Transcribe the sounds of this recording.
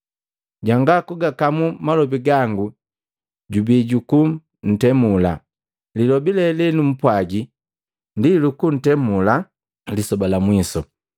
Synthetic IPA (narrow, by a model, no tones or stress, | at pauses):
ɟaŋɡakuɡakamumalɔbiɡaŋɡu | ɟubiɟuku | n̩tɛmula̰ | lilɔbilɛlɛnum̩pwaɡi | ndilukun̩tɛmula | lisɔbalamwisɔ